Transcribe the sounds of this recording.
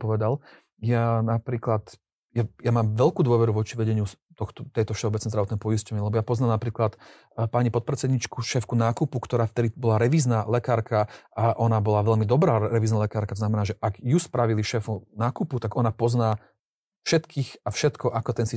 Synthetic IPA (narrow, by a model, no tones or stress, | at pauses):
pɔʋɛd̪al | janapɾiːklat̪ | jajamaːmʋɛlkuːd̪ʊɔʋɛɾuʋɔt͡ʃiʋɛɟɛɲɪu | t̪ɔxt̪ɔt̪ɛjt̪ɔfʃɛɔbɛt͡snɛjzd̪ɾaʋɔt̪nɛjpɔiscɔʋɲɛlɛbɔjapɔznaːmnapɾiːklat̪ | paɲipɔt̪̚pɾɛt͡sɛd̪ɲiːt͡ʃkuʃɛːfkunaːkupukt̪ɔɾaːft̪ɛd̪ibɔlaɾɛʋiːznalɛkaːɾkaaʔɔnabɔlaʋɛʎmid̪ɔbɾaːɾɛʋiːznalɛkaːɾkat̪ɔznamɛnaːʒɛʔaɡjuspɾaʋiliʃɛːfɔnaːkuput̪aɡɔnapɔznaː | fʃɛt̪kʰiːxafʃɛt̪kɔʔakɔt̪ɛnsi